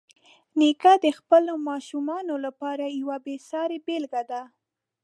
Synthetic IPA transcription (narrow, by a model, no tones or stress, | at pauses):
nikad̪əxpəlomɑʃumɑnolapɑɾajawabesɑɾebelɡad̪a